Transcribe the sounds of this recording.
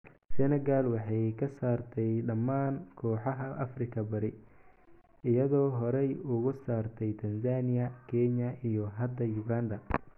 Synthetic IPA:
sɛnɛɣalwɑħɑjkʰɐsaːrt̪ʰɛjɖɐmːaːnkʰɔːħɑɦɐʔɐ̰frɪkʰɐbɐɾɪ | ɪjɐðɔːɦɔɾɛjʊɣʊsaːrt̪ʰɛjt̪ʰɐnsaːnɪjɐkʰɛɲɐʔijɔɦɐd̪ɐjʊɡaːnd̪ɐ

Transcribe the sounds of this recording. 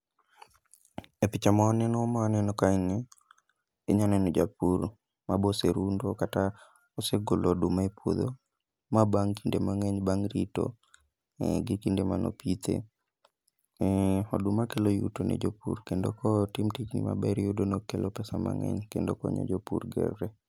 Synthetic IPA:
epɪt͡ʃamaɔnɛnɔmaɔnɛnɔkanɛ | eɲɔnɛnɔd͡ʒa̰pur | maboseɾundokata | oseɡolɔdumaepwod̪o | mabaŋkindemaŋɛɲbaŋɾito̰ | ɡikindemanɔ̰pit̪ʰḛ | ɔdʊmakelojutonʔḛd͡ʒopṵɾkendokɔtimtiknḭma̰bɛɾiodonokelʔopɛsama̰ŋɛ̰ɲkendokɔ̰ɲo̰d͡ʒopurɡɛ̰rːɛ

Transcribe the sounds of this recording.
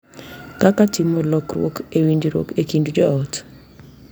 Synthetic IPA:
kakatɪmɔlɔkrwo̰kewind͡ʒɾwo̰kekindd͡ʒɔɔt

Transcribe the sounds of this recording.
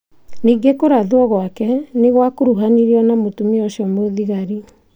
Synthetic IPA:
niːŋɡekoɾaðuɔɣwakɛneɣwakoɾuɦaniɾiɔnamotumiɔɕiɔmoðiɣaɾi

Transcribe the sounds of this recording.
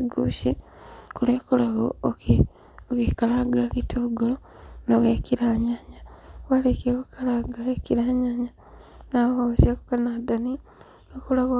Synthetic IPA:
ɡuːʃi | kulekulaɣooke | okikalaɡakitʰoɡolo | noɣekiɾaːɲaɲawalekekukalaɡaekiɾaːɲaɲa | nahoosjakukanadani | okulaɣo

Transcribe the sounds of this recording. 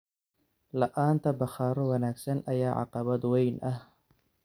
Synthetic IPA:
lɐʔaːnt̪ʰɐbɐχɑːɾɔwɐnaːɡsɐnʔɐjaːʕɑ̰qɑβɐd̪wɛjnʔɐh

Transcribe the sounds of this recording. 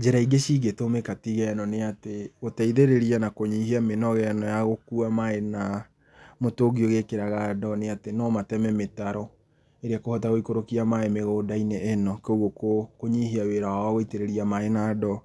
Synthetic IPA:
d͡ʒeɾaiɡeʃiɣetomekatiɣɛnɔneateɣotaiðeɾeɾianakoɲiɦiamenɔɣɛnɔjaɣokuamaena | motoɡioɣekeɾaɣadɔneatenɔmatɛmɛmetaɾɔ | eɾeakohɔtaɣoikoɾokiamaɛmeɣoːdaineʔɛnɔkouɣokokoɲiɦiaweɾawawɣoiteɾeɾiamaenaːdɔ

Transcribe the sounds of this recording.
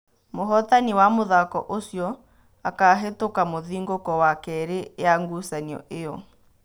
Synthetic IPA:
moɦɔtaniwamoðakɔ̰ʔosjɔ | akaɦetokamoðiŋɡokɔwakɛɾejaŋɡusaniɔ̰ʔejɔ

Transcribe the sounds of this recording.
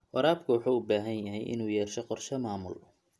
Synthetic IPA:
wɑɾaːbkʰʊwɑħuːʊbaːɦɐnjɐɦɛjʔɪ̰nuːjɛːrʃɛqɔrʃɐmaːmʊl

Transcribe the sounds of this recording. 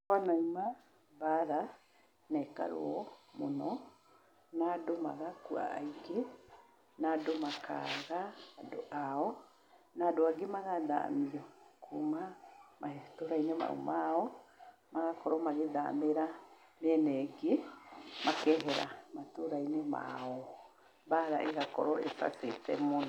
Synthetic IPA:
kanaima | baɾa | nɛka̰ɾo̰ɔmonɔ | nadoma̰ɣakua̰ːiɡe | nadomakʰa̰ɣaːdoʔaɔ | nadoaɡemaɣaða̰mijɔkʰumamʔaɦetoɾainema̰ṵmaɔ | maɣakʰɔɾɔmaɣeða̰meɾa | mɛnɛɡemakɛɦɛɾa̰matoɾainema̰ɔ | baɾa̰ʔeɣakɔɾɔepa̰setɛ̰monɔ

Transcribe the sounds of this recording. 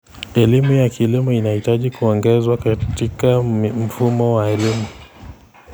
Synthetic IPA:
ɛlimujakilimuinahitaʄikuɔŋɡɛzwakatikam̩fumɔwaɛlimu

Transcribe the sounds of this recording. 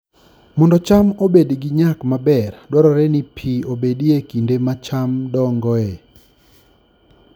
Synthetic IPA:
mɔndɔt͡ʃamobedɡɪɲakmabɛrdwaɾɔɾɛnipʰiobediekindemat͡ʃamdɔŋɡɔɛ

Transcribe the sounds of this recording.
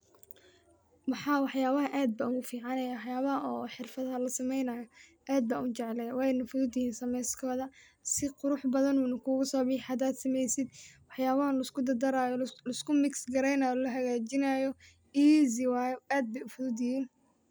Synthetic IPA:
wɑħɑːwɑħjaːβɐɦɐʔaːd̪̚bɐʊɣʊfiːʕɑnɛjwɑħjaːβɐɦɐɔːħɪrfɐðɦɐlɐsɐmɛjnɐjɔʔaːd̪̚bɐʊt͡ʃɛʕlɛjwɛnɐfʊðʊd̪ɪjiːnsɐmɛjskʰɔːðɐ | sɪqʊɾʊħbɐðɐnuːnɐkʰuːɣʊsɔːbɪħad̪aːd̪sɐmɛjsɪd̪wɑħjaːβɐhɐlɐɪskʊd̪ɐd̪ɐɾaːjɔlɐɪskʊmɪksɡɐɾɛjnaːjɔlɐɦɐɣaːt͡ʃɪnaːjɔ | iːzɪwaːjɔaːd̪̚bɛjʊfʊðʊd̪ɪjiːn

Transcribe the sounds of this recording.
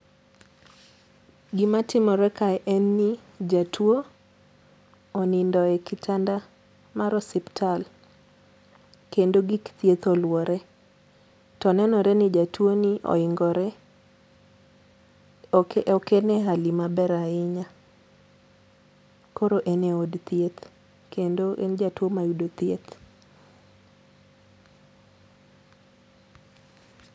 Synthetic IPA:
ɡimatɪmɔɾɛkaɛʔɛnːi | d͡ʒatwo | nindɔɛkɪtʰanda | maɾɔsiptʰal | kendoɡikt̪jet̪olwɔɾɛ | tɔnɛnɔɾɛnɪd͡ʒatwoniʔɔ̰ɪŋɡɔɾɛ | eʔɔkenɛɦalimabɛɾaɪɲa | koɾoʔeneodt̪jet̪ | kendoʔḛnd͡ʒatwomajudot̪jet̪

